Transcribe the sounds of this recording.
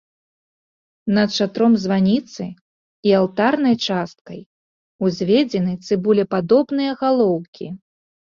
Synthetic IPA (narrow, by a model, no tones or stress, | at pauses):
nɐt̪ʂat̪ɾɔmzvanʲit̪sɨ | ialˠt̪arnɐjt͡ʂast̪̚kɐj | uzʲvʲɛd͡zʲɛnɨt̪sɨbulʲɛpad̪ɔbnɨjɐɣalˠɔwkʲʰi